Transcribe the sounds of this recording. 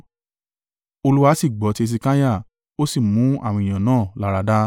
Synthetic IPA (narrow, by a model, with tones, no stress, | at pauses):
o˧lu˦wa˧˦si˦˨ɡ͡bɔ˨˦te˧s̬i˧kã˦ja˦˨ | o˦si˦˨mũ˨˦a˦˨w̃ɔ̃˧ĩ˨j̃ã˨nãː˦˨la˨˦ɾa˧da˦